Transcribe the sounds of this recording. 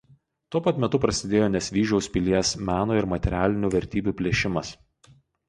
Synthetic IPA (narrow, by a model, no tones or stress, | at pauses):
t̪uɔpɐt̪ʲmʲɛt̪ʊpɾɐsʲɪd̪ʲeːjoːnʲɛsʲʋʲiːʒʲɛʊsʲpʲɪlʲiɛsmʲæːnoːɪɾmɐt̪ʲɛɾʲæːlʲɪnʲuːʋʲɛɾʲt̪ʲiːbʲuːpʲlʲeːʃʲɪmɐs